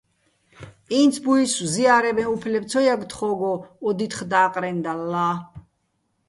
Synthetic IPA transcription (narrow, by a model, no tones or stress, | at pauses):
int̪sʰbuiswziaɾɛbɛnupʰlɛb̪t͡sʰɔjaɡt̪χɔɡɔɔd̪it̪ʰχd̪aːqʼɾɛnd̪alːa